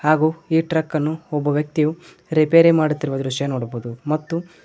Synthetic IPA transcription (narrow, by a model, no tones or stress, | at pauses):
haːɡuːiːʈɾɐkːɐnːuɔbːɐʋjɐk̚t̪iju | ɾipeːɾemaːɽut̪ːiɾuʋɐd̪ɐɾuʂɐjanoːɽɐboːud̪umɐt̪ːu